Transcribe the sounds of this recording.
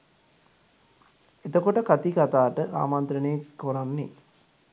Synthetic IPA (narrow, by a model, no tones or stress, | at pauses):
et̪əkoʈəkat̪ikat̪aːʈəʔa̰ːmant̪ɾəneːkoɾanːḛ